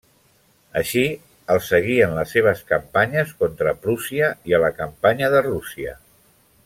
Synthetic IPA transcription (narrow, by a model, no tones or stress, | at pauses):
əʃi | əlˠsəɣ̞iənləsːeβ̞əskəmpaɲəskont̪ɾəpɾusiəiələkəmpaɲəðərusiə̰